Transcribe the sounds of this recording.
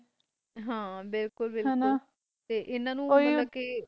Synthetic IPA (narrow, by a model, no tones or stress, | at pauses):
ɦãːbɪlkʊlbɪlknʊ̃ | t̪eːʔɪnːãːnũːoiãːkeː